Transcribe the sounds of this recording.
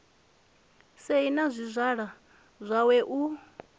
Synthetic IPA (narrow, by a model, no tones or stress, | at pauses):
seinazʷizʷaɺa | zʷawɛʔu